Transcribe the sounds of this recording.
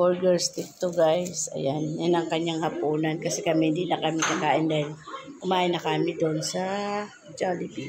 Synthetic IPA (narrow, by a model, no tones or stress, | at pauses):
oɹɡɛɹst̪ɪk̚t̪ʊɡajsɐ̰janjanɐŋkɐɲaŋhɐpuːnɐnkɐsɛkɐmɛhɪnd̪iːnɐkɐmɪk̪ɐɡaːʔɪnd̪aːhɪlkʊmaːʔɪnɐkamɪd̪oʔnsɐ | d͡ʒalɪbi